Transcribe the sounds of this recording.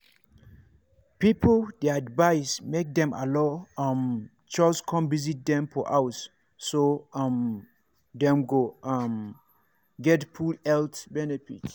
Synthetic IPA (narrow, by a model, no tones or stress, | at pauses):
pipldeadvaɪsmek̚dɛ̃ma̰lɔam | t͡ʃɔskʰɔ̃mvizit̚dɛ̃mfɔʔaʊsː | oam | dɛ̃mɡoam | ɡɛtpʰulɛltbɛnɛfit